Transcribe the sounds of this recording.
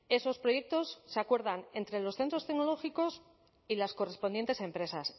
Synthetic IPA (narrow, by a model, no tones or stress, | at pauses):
e̞so̞spɾo̞je̞k̚t̪o̞sːeakwe̞ɾðane̞nt̪ɾe̞lo̞sθe̞nt̪ɾo̞st̪ekno̞lo̞xiko̞s | ilasko̞re̞sponent̪e̞sẽ̞mpɾe̞sas